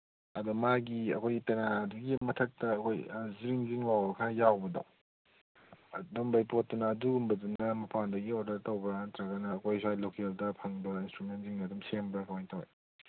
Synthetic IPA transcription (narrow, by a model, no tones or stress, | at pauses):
ɐdɔmaɡiɐ̰kʰojɡitenaduɡimɐtʰɐk̚tɐːkʰojziɾiŋziŋwawbɐkʰajawbɐdɐ̰ŋ | dɔmbajpot̚dunɐːduɡumbɐdunɐmɐpʰandɐɡioɾdɐɾtɐwbɐantɾaɡɐnɐːkʰojsuajlokeldɐpʰɐŋbɐinstɾumenziŋdɐdumsembɾɐkʰɐwajntawḛj